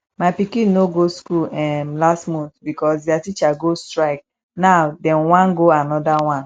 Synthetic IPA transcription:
mapikinoɡoskulɛm̩lastmutbikɔs̬datit͡ʃaɡostɾaɪk̚ | naʊdɛnwãnɡoanɔdawãn

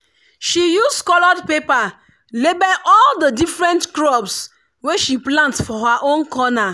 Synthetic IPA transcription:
ʃijuskɔlɔdpepa | lebɛʔɔldədifɹɛ̃ntkɾɔbs | weʃiplãntfɔɦaʔõnkɔna

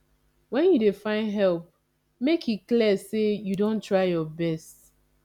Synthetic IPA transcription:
wɛ̃njudefãɪ̃nɦɛlp̚ | mekʰit̚kliəsejudõntɹaɪjɔbɛst

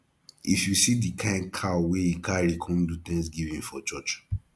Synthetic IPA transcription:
ifjusidikʰãɪ̃nkʰaweikʰaɾikʰɔ̃ndut̪ɛ̃ŋs̬ɡivĩnfɔt͡ʃɔt͡ʃ

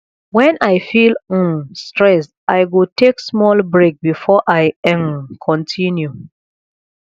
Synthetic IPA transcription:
wɛ̃naɪfil̩stɹɛstʔajɡotʰeksmɔlbɹek̚bifɔʔaɪ̃nkʰɔ̃ntʰĩnju

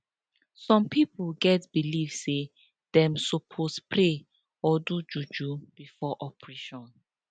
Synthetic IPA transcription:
sɔ̃mpipuɡɛtbilivse | d̥ɛ̃msopʰospɹe | ɔdud͡ʒud͡ʒub̥ifɔʔɔpɹeʃɔ̃n

